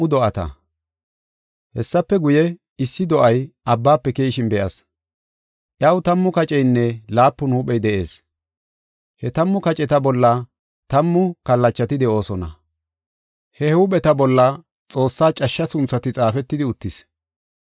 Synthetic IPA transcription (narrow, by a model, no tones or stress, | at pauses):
ʊd̪ɔʔɐt̪ɐ̰ | hɛsːɐpːɛɡʊjɛ | ɪsːɪd̪ɔʔɐjʔɐbːaːpːɛkeːjʃɪnbɛʔɐ̰s | ʔjɐwt̪ɐmːʊkɐt͡ʃʼɛjnːɛlaːpːʊnhuːɓɛjd̪ɛʔe̞̰ːs | hɛt̪ɐmːʊkɐt͡ʃʼɛt̪ɐbɔlːɐ | t̪ɐmːʊkɐlːɐt͡ʃːɐt̪ɪd̪ɛʔo̞ːsɔnɐ̰ | hɛhuːɓɛt̪ɐbɔlːɐ | t͡sʼo̞ːsːaːt͡ʃʼɐʃːɐsʊnt͡sːɐt̪ɪt͡sʼaːfɛt̪ːɪd̪ɪʊt̪ːɪs